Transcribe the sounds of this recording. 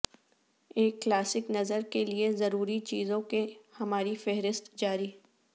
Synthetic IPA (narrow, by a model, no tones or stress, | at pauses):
eːkːlaːsɪknɐzəɾkeliezɐɾuːɾit͡ʃiːzõkehɐmaːɾifɛɦɾɪst̪d͡ʒaːɾiː